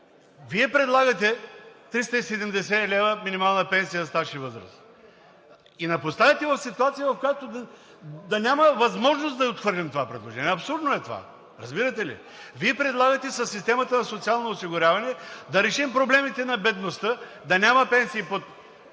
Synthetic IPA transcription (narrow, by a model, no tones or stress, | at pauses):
viɛpɾɛd̪lˠaɡɐt̪ɛt̪ɾist̪əisɛd̪ɛmd̪ɛs̬ɛlɛvəminimalˠnəpɛnsijəst̪aʃivɤzɾə̰s | inɐpost̪avʲɐt̪ɛvɐfsit̪uat̪sijəvɐfkojat̪od̪ | d̪ɐnʲaməvɐzmɔʒnosd̪ɐot̪xvɤɾlʲɛmt̪ovapɾɛd̪lˠoʒɛnʲiɛɐpsuɾd̪noɛt̪ova̰ | ɾɐzbiɾət̪ɛlḭ | viɛpɾɛd̪lˠaɡət̪ɛsɐsːist̪ɛmət̪ənɐsot̪sialˠnoːsiɡʊɾʲjavɐnɛd̪ɐɾɛʃimpɾoblɛmit̪ɛnɐbɛd̪nost̪ə | d̪ɐnʲamɐpɛnsiːpot̪